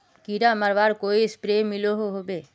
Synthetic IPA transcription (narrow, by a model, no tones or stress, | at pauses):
kiɾaməɾʋaːɾkoːiɪspɾeːmɪloɦoɦobeː